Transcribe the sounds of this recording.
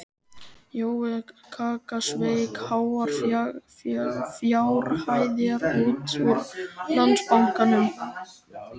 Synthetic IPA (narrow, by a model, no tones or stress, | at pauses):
joːwɛkʰaːkasvejkhaːwaɾ̥ | fjaːwɾhaːjðjɛɾuːt̪uɾlant̪spawŋ̥kanʏm